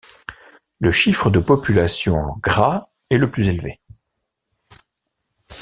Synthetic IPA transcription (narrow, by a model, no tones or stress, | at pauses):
ləʃifχəd̪əpɔpylasjɔ̃ɑ̰̃ɡʁa | ɛləplyzelvḛ